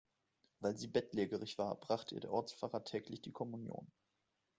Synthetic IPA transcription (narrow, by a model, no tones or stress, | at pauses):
vaɪlziːbɛtleːɡəʁ̞ɪçv̥a̰ːɐb̥ʁaχtəʔḭːdeːɐʔɔɐt͡sfaːʁɐtʰɛːklɪçd̥iːkʰɔmunjo̰ːn